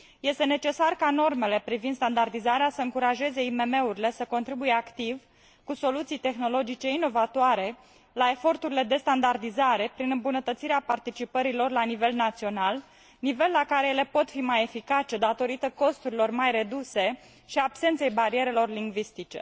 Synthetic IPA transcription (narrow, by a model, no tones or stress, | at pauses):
je̞st̪e̞ne̞t͡ʃe̞sarkano̞rme̞le̞pɾivind̪st̪and̪ard̪izaɾeasəɨŋkuɾaʒe̞ze̞ime̞me̞uɾile̞səko̞nt̪ɾibuje̞akt̪iv | kuso̞lut̪sijt̪e̞xno̞lo̞d͡ʒit͡ʃe̞ino̞vat̪oaɾe̞ | lae̞fo̞rt̪uɾile̞d̪e̞st̪and̪ard̪izaɾe̞pɾinɨmbunət̪ət̪siɾeapart̪it͡ʃipəɾilo̞rlanive̞lnat̪sio̞nal | nive̞lːakaɾe̞jele̞po̞t̪fimaje̞fikat͡ʃe̞d̪at̪o̞ɾit̪əko̞st̪uɾilo̞rmajre̞d̪use̞ | ʃiaːbse̞nt̪se̞jbaɾie̞ɾe̞lo̞rliŋɡvist̪it͡ʃe̞̰